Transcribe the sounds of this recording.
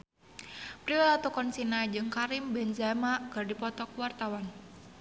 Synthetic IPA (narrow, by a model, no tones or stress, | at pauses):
pɾiɛlat̪ɔkɔnsinad͡ʒɨŋkaɾimbɛnzamakɨrdipɔt̪ɔkwart̪awan